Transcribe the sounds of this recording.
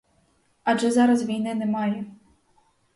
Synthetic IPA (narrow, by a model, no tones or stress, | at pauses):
aʐɛzaɾɐs̬vʲijnɨnɛmalʲi